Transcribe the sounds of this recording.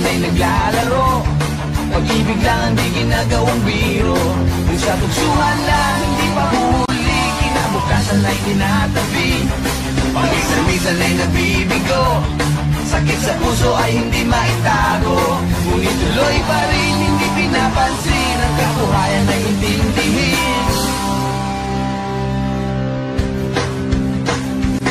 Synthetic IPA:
najnɐɡlalɐɾo | pɐɡibɪɡlaŋɐŋd̪iɡɪnaɡɐwaŋbiɾo | sat̪ʊksuhanːahɪnd̪ipɐɦuli | kɪnabʊkasanajɡɪnat̪ɐbi | pɐɡisɐnd̪isanajnɐbibɪɡo | sakɪt̪̚sɐpusoʔɐjhɪnd̪imaʔɪt̪aɾo | unit̪ʊlojpaɾɪnhɪnd̪ipɪnapansɪnɐŋkakʊɾaːjɐnɐjɪnt̪ɪnd̪ɪɦɪ | n

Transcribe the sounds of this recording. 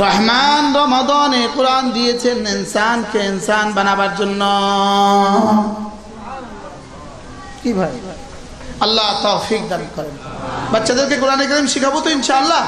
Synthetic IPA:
ɾɔɦmanɾɔmɔd̪ɔnekoɾand̪ijet͡ɕʰeninsankeinsanbanabaɾd͡ʑonːo | kibʱae | ɐlːat̪oːfik̚d̪anikɔɾenbatːʃʰad̪eɾkek̬oɾanek̬ɐɾimʃikʰaput̪oinʃaɐlːa

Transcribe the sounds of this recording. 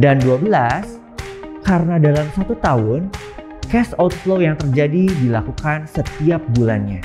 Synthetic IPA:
danduabəlas | kaɾənadalamsat̪ut̪aɦʊn | kɛsɔlt̪flojaŋt̪ərd͡ʒadidilakukansət̪iap̚bula̰nɲa

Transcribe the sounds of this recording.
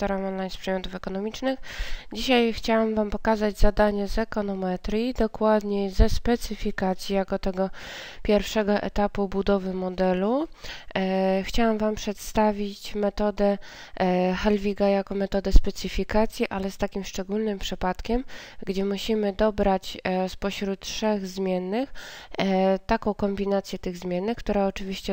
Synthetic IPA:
t̪ɔɾamɔnlajnspʂɛd̪mʲjɔt̪ufɛkɔnɔmʲit͡ʂnɘxd͡ʑiɕajxt͡ɕawamvampɔkazad͡ʑzad̪aɲɛzɛkɔnɔmɛt̪ɾʲjid̪ɔkwad̪ɲɛzɛspɛt̪sɘfʲikat̪sʲjijakɔt̪ɛɡɔ | pʲjɛɾfʂɛɡɔʔɛ̰t̪apubud̪ɔvɘmɔd̪ɛlu | xt͡ɕawamvampʂɛt̪st̪avʲit͡ɕmɛt̪ɔd̪ɛ | xɛlvʲiɡajakɔmɛt̪ɔd̪ɛspɛt̪sɘfʲikat̪sʲjiʔalɛst̪akʲimʂt͡ʂɛɡulnɘmpʂɘpat̪kʲɛm | ɡd͡ʑɛmuɕimɘd̪ɔbɾat͡ɕspɔɕɾut̪tʂɛɣzmʲjɛnːɘx | t̪akɔ̃w̃kɔmbʲinat̪sʲjɛt̪ɘɣzmʲjɛnːɘxkt̪uɾaɔt͡ʂɘvʲiɕt͡ɕɛ

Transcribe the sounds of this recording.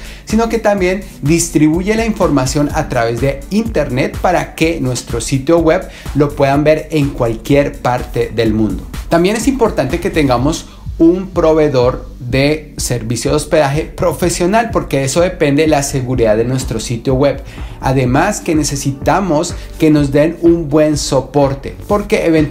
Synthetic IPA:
sino̞ke̞t̪ambje̞n | d̪ist̪ɾiβuʝe̞laiɱfo̞ɾmasjo̞nat̪ɾaβe̞zðeint̪e̞ɾne̞t̪paɾake̞nwe̞st̪ɾo̞sit̪jo̞ɣwe̞β | lo̞pwe̞ðambe̞ɾe̞ŋkwalkje̞ɾpaɾt̪e̞ðe̞lmũnd̪o̞t̪ambje̞ne̞simpo̞ɾt̪ant̪e̞ke̞t̪e̞ŋɡamo̞s | umpɾo̞βe̞ðo̞ɾ | ðe̞ | se̞ɾβisjoðo̞spe̞ðaxe̞pɾo̞fe̞sjo̞nalpo̞ɾke̞eso̞ðe̞pe̞nd̪e̞lase̞ɣuɾiðaððenwe̞st̪ɾo̞sit̪jo̞ɣwe̞β | a̰ðe̞maske̞ne̞se̞sit̪amo̞ske̞no̞zd̪e̞numbwe̞nso̞po̞ɾt̪e̞̰po̞ɾke̞ʔeβen

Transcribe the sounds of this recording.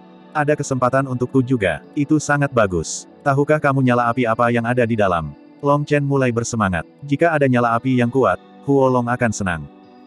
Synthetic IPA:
ʔadakəsəmpat̪anunt̪ʊk̚tud͡ʒuɡa̰it̪usaŋat̪̚baɡʊs | t̪aɦukahkamuɲalaːpiapajaŋadadidala̰m | lɔŋt͡ʃɛnmulajbərsəmaŋa̰t̪̚d͡ʒikaːdaɲalaːpijaŋkuat̪̚ | huolɔŋakansəna̰ŋ

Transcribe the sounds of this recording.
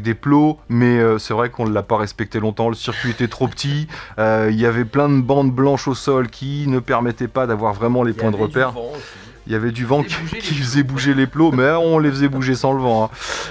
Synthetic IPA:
d̪eplomɛøsɛvʁɛkɔ̃ləːapaʁɛspɛk̚t̪elɔ̃t̪ɑ̃ləsiʁkʲɥiet̪ɛt̪χopə̥t̪ʰiøiljavɛplɛ̃d̪əbɑ̃d̪blɑ̃ʃosɔlkʲʰinəpɛʁmɛt̪ɛpad̪avwaʁvʁɛmɑ̃lepwɛ̃d̪əʁəpɛʁ | iljavɛd̪yvɑ̃kkʲʰifəzɛbuʒeleplomɛɔ̃lefəzɛbuʒesɑ̃ləvɑ̃ɛ̃

